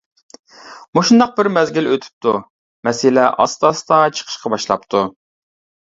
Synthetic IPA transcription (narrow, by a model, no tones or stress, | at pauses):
muʃund̪ɑq̚bɪɾmɛzɡʲiløt̪ʰy̥p̚t̪ʰu | mɛsɪlɛʔɑ̰st̪ɑst̪ɑt͡ʃʰə̥qʰə̥ʃqɑbɑʃlˠɑ̰pt̪ʰu